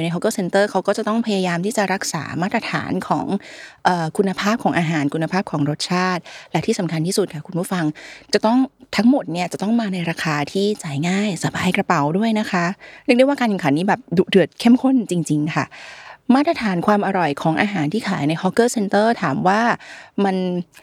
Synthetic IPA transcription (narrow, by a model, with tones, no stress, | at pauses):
na˧jɦɔ˧˥kːɤː˥˩se˧nt̪ɤː˥˩kʰa˦˥wkɔː˥˩t͡ɕa˨˩t̪ɔ˥˩ŋpʰa˧jaː˧jaː˧mt̪ʰiː˥˩t͡ɕa˨˩ɾa˦˥k̚sa̰ː˩˦maː˥˩t̪̚ɾa˧t̪ʰa̰ː˩˦nkʰɔ̰ː˩˦ŋʔɤː˨˩kʰu˧nːa˧pʰaː˥˩p̚kʰɔː˩˦ŋʔaː˧ɦaː˩˦nkʰu˧nːa˧pʰaː˥˩p̚kʰɔː˩˦ŋɾo˦˥t̪̚t͡ɕʰaː˥˩t̪̚lɛ˦˥t̪ʰiː˥˩sa˩˦mŋkʰa˧nt̪ʰiː˥˩su˨˩kʰa˥˩kʰu˧npʰu˥˩fa˧ŋt͡ɕa˨˩t̪ɔ˥˩ŋt̪ʰa˦˥ŋmo˨˩t̪̚ni˥˩ɐt͡ɕa˨˩t̪ɔ˥˩ŋmaː˧na˧jɾaː˧kʰaː˧t̪ʰiː˥˩t͡ɕaː˩˦jŋaː˥˩jsa˨˧˦baː˧jkɾa˧pa˨˩wdu˥˩əjna˦˥kʰa˦˥ɾi˥˩k̚djwa˥kaː˧nka˨˩ŋka˩˦nːiː˦˥bɛː˨˩p̚du˨˩dɯ˨˩ət̪̚kʰe˥˩mkʰo˥˩nt͡ɕi˧ŋt͡ɕi˧ŋkʰa̰˥˩maː˥˩t̪̚ɾa˧t̪ʰaː˩˦nkʰwaː˧mʔa˧ɾɔ˨˩jkʰɔː˨˩˦ŋʔaː˧ɦaː˩˦nt̪ʰiː˥˩kʰaː˨˩˦jna˧jhɔ˦˥kːɤː˥˩se˧nt̪ɤː˥˩t̪ʰaː˨˩˦mwaː˥˩ma˧n